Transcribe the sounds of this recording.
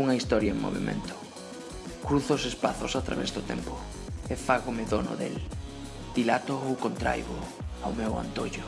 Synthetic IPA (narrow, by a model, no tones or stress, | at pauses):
uŋɐist̪ɔɾjɐeŋmo̰βḛmʔḛ̃nt̪ʊ̥ | kɾuθʊsespaθʊsat̪ɾa̰βɛzðʊt̪ɛmpʊ | ɪfaɣomɪðonʊ̰ðḛl | d̪̥ilat̪oowkont̪ɾa̰jβʊ | awmewa̰nt̪oʎʊ